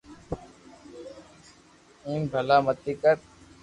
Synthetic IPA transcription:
ĩːmbʱəlaːmət̪iːkəɾ

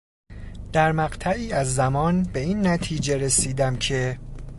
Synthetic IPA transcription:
d̪̥æɾmæɢt̪ʰæiːæzːæmɒːnbe̞iːnːæt̪ʰiːd͡ʒe̞ɾe̞siːd̪æmcʰe̞

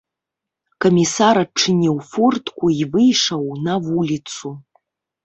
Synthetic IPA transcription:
kʰomʲisaɾaʈ͡ʂʰːɨnʲiwfurtʰʼkʷʊivɨjʂɐwnavulʲit͡sʰu

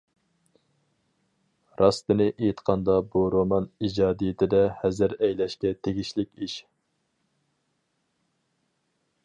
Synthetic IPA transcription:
ɾɑst̪ɨnɨʔejt̪qʰɑnd̪ɑbuɾomɑnid͡ʒɑːd̪ijɪt̪ʰɪd̪ɛhɛzɪɾɛjlɛʃkʲɛt̪ʰeɡʲiʃlɪkʲiʃ

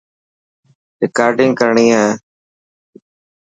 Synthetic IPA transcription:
ɾɪkaːɾɖɪ̃ŋɡkəɾɳĩːã

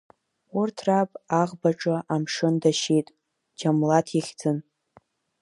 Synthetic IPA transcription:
ʊrtʰrapʼaʁbaʈ͡ʂʼɨʔamʂɨndaʃejtʼ | d͡ʒamlatʰiχʲd͡zɨn

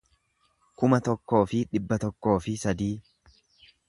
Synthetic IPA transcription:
kʊmɐt̪ɔkːo̞ːfɪᶑɪbːɐt̪ɔkːo̞ːfɪsɐd̪iː

